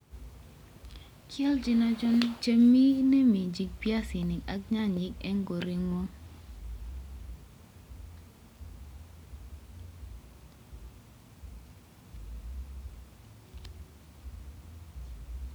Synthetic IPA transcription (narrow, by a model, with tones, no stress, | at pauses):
kʰjɛ˦ld͡ʒi˨na˦d͡ʒɔ˦ndi˦kt͡ʃe˦mi˦nɛ˦mi˨d͡ʒi˨k̚pja˦si˨ni˨ka˦k̚ɲa˦ɲi˨kɛ˦ŋɡo˨ɾi˨ŋo˦